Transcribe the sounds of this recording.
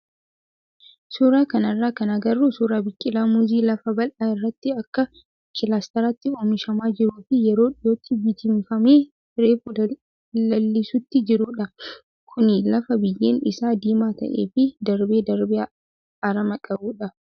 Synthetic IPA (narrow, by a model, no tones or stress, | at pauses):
suːɾaːkɐnɐrːaːkɐnɐɡɐrːuːsuːɾaːbɪkʼːɪlaːmuziːlɐfɐbɐlʔaːɪrːɐt̪ːɪɐkːɐ | kːɪlaːst̪ɛɾaːt̪ːɪoːmɪʃɐmaːd͡ʒɪɾuːfɪjɛɾoːᶑɪjo̞ːt̪ːɪbɪt̪ɪmfɐmeː | ɾeːfu | ɐlːɪsʊt̪ːɪd͡ʒɪɾuːᶑɐ | kʰʊnɪlɐfɐbɪjːeːnbɪsaːd̪iːmaːt̪ɐ̰ʔeːfɪd̪ɐɾbeːd̪ɐɾbe | ɐɾɐmɐkʼɐbuːᶑɐ